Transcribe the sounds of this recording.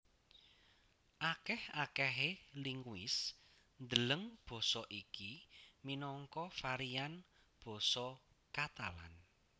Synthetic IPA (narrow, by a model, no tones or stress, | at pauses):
ʔakɛhakɛɦeliŋwɪ̰s | nd̪ələŋb̥ɔ̤sɔʔikiminɔŋkɔfaɾian | b̥ɔ̤sɔ | kat̪a̰la̰n